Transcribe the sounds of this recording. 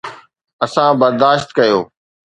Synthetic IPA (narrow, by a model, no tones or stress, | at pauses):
ɐsãbɐɾd̪aːʃt̪kɐjoː